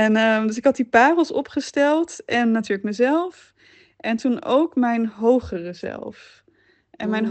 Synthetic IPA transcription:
ɛnədɵs̬ɪkɦɑt̚dipaːrəl̩ˠsɔpχəstɛlˠtʔɛnːatyːɹlək̚məzɛlˠf | ʔɛntuno̰wkmɛjnɦowχərəzɛ̰lˠf | ʔɛnmɛjnɦ

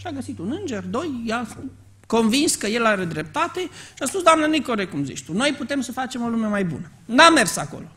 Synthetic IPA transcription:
ʃaɡəsit̪unɨnd͡ʒe̞rd̪o̞jja | ko̞nvinskəje̞laɾed̪ɾe̞p̚t̪at̪e̞ʃiaspusd̪oamnanijkoɾekumzḭt͡ʃt̪uno̞jput̪e̞msəfat͡ʃe̞mo̞lume̞majbṵnə | name̞rsako̞̰lo̞

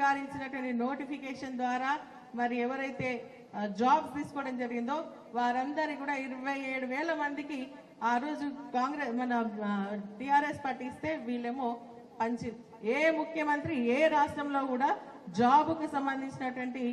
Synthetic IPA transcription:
aːɾiɲt͡ʃinɐʈuʋɐɳʈino̞ːʈipʰikeɛːʂɐnd̪ʋaːɾaː | mɐɾiiɛʋɐɾɐjt̪e̞ː | d͡ʒaːbt̪iːsu̥kɔːɽɐmd͡ʒɐɾiɡind̪o̞ː | ʋaːɾɐnd̪ɐɾikuːɽaːiɾɐʋɐjeːɽuʋɛːlɐmɐnd̪iki | aːɾo̞ːd͡ʒukaːŋɡɾemɐnɐ | ʈiaːɾespɐʈːist̪e̞ːʋiːɭemoː | pɐɲt͡ʃi | eːmukʰjɐmɐnt̪ɾieːɾaːʂʈɾɐmlo̞ːkuːɽaː | d͡ʒaːbukusɐmbɐnd̪iɲt͡ʃinɐʈʋɐɳʈi

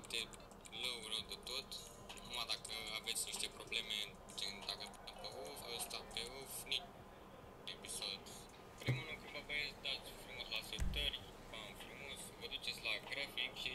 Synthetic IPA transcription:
pt̪e | ləwɾəwd̪et̪o̞t̪ | numad̪akəave̞t̪sʲniʃt̪e̞pɾo̞ble̞me | t͡ʃend̪akəput̪empeʔofəst̪apeofni | episod̪ | pɾimulukɾuvəbejesd̪at̪sʲfɾumo̞slasət̪ərʲ | pamfɾumo̞svəd̪ut͡ʃe̞t̪sʲlaɡɾafikʃi

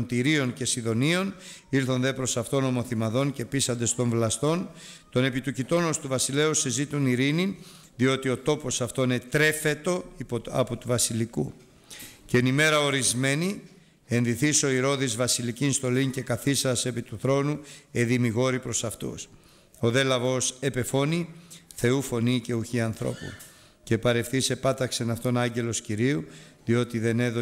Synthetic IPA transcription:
nt̪iɾio̞nce̞siðo̞nio̞n | iɾθo̞nðe̞pɾo̞sɐft̪o̞no̞mo̞θimɐðo̞nce̞pisɐnd̪e̞st̪o̞ɱvlɐst̪o̞nt̪o̞ne̞pit̪ucit̪o̞no̞st̪uvɐsile̞usezit̪uniɾinin | ðio̞t̪io̞t̪o̞po̞sɐft̪o̞inet̪ɾe̞fe̞t̪o̞ɐ̰pot̪uvɐsiliku | cenime̞ɾɐo̞ɾizme̞ni | e̞nðiθiso̞iɾo̞ðizvɐsilicinst̪o̞lince̞kɐθisɐse̞pit̪uθɾo̞nue̞ðimiɣo̞ɾipɾo̞sɐft̪ṵs | o̞ðe̞lɐvo̞se̞pe̞fo̞niθe̞ufo̞nice̞uçiɐnθɾo̞̰pṵ | ce̞pɐɾe̞fθise̞pɐt̪ɐkse̞nɐft̪o̞nɐɲɟe̞lo̞sciɾiu | ðio̞t̪iðe̞ne̞ðo

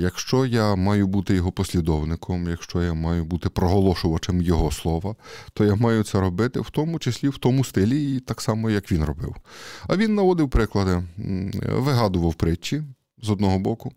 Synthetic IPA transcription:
jɐkʃt͡ʃɔjamɑjʊbut̪ɪjɔɦɔpɔsʲlʲid̪ɔwnɪkʰɔmjɐkʃt͡ʃɔjamɑjʊbut̪ɪpɾɔɦɔlˠɔʃʊʋɐt͡ʃɪmjɔɦɔslˠɔʋɐt̪ɔjamɑjʊt̪sɛɾɔbɪt̪ɪwt̪ɔmʊt͡ʃesʲlʲiwt̪ɔmʊst̪ɪlʲiːt̪ɑksɑmɔjɐkʋʲinrɔbɪ̰wɐʋʲinːɐʋɔd̪ɪwpɾɪklˠɐd̪ɪ | ʋɪɦɑd̪ʊʋɐwpɾɪt͡ʃːi | zɔd̪nɔɦɔbɔkʊ

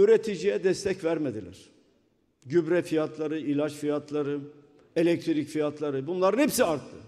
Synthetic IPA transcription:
yɾet̪ʰid͡ʒijɛd̪ɛst̪ʰɛcvæɾmed̪ilʲæ̰ɾ̥ | ɟybɾɛfijat̪ʰlˠaɾɯilʲat͡ʃfijat̪ʰlˠaɾɯ | elʲɛc̚t̪ʰiɾicfijat̪ʰlˠaɾɯbunlˠaɾɯnhepsiaɾt̪ʰːɯ

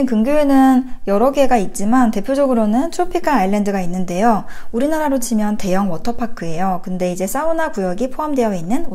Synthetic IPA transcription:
enkɯŋɡjoenɯnjʌɾʌɡeɡait̚t͡ɕ͈imante̞pʰjod͡ʑʌɡɯɾonɯnt͡ɕʰopʰik͈ʰanaiɭːe̞ndɯɡainːɯnde̞jouɾinaɾaɾot͡ɕʰimjʌnte̞jʌŋwʌtʰʌpʰakʰɯe̞jokɯnde̞id͡ʑe̞s͈aunakujʌɡipʰoɦamdwe̞jʌinːɯno

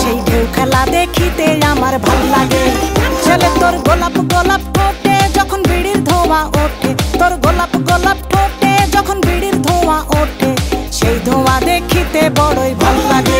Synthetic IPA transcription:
ʃejɖʱewkʰɛlad̪ekʰit̪eamaɾbʱallaɡed͡ʒelet̪oɾɡɔlapɡɔlap̚ʈʰoʈed͡ʒɔkʰɔnbʱiɽiɾd̪ʱɔ̃waʔoʈet̪oɾɡɔlapɡɔlap̚ʈʰoʈed͡ʒɔkʰɔnbʱiɽiɾd̪ʱɔ̃waʔoʈeʃejd̪ʱɔ̃wad̪ekʰit̪ebɔɽojbʱallaɡe

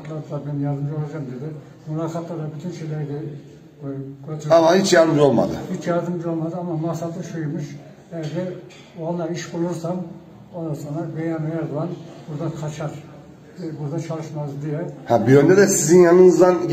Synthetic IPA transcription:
t̪lˠat̪lˠabɛnjazd̪ɯmd͡ʒolˠad͡ʒamd̪ed̪ɪ | mulˠaːkʰat̪lˠad̪abyt̪ʰynʃejlʲæɾid̪ɛ | ɡøt̪ʰyɾamahit͡ʃjaɾd̪ɯmd͡ʒo̞lˠma̰d̪ɯ̰hit͡ʃjaɾd̪ɯmd͡ʒo̞lˠmad̪ɯamamasat̪ʰɯʃujumɯʃ | ɛjɾd̪ɛ | onːˠaiʃbulˠuɾsam | onːaɾso̞nɾabejanejæɾd̪uanbuɾd̪akʰat͡ʃʰaɾ̥ | buɾd̪at͡ʃʰalˠɯʃmazd̪ijɛhæbiønd̪ɛd̪ɛsizinjanɯnɯzd̪an

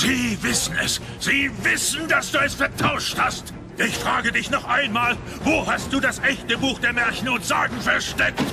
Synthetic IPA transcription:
z̥iːvɪsn̩ɛ̰s | z̥iːvɪsn̩dasd̥uːɛsfɛɐtʰaʊʃthast | ʔɪçfʁ̥aːɡədɪçnɔχʔaɪnmaːl | voːhast̚d̥uːdasʔɛçtəbuːxd̥eːɐmɛɐçn̩ʊntz̥aːɡŋ̩fɛɐʃtɛkt

